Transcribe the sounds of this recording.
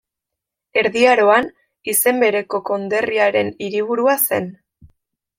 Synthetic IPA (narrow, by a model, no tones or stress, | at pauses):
e̞ɾðiaɾo̞an | ise̞mbe̞ɾe̞ko̞ko̞nd̪e̞riaɾe̞niɾiβ̞uɾuase̞̰n